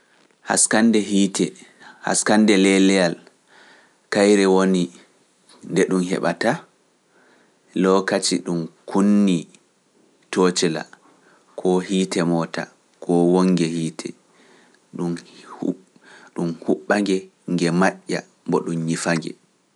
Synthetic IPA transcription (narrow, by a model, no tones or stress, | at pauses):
ha̰skandɛɦitʰɛha̰skandɛlɛlɛjal | kajɾɛwoni | ndɛɗumhɛ̰ɓata | lɔkat͡ʃiɗumkʰunːi | tot͡ʃɛla̰ | kʰɔhiːtɛmɔːta̰ | kʰɔwoŋːɡɛhiːtʰɛ̰ | ɗum | ɗumhuɓːaŋɡɛŋɡɛmaʔːa̰ | mbɔɗumɲifaŋɡɛ̰